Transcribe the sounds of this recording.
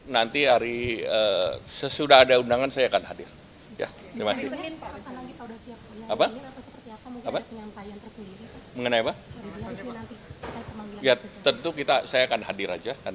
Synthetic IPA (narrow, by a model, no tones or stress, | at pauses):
nant̪iaɾiəsəsudaɦadaundaŋansajakanɦadɪr | ja̰ | dimasɪnpasalaɡiaudasiak̚jaapaaasəpərt̪iapamukapapəɲampajant̪ərsəndiɾiməŋənajaba | nant̪iakəmamijat̪ənt̪ukit̪asajaːkanɦadɪɾa̰d͡ʒakan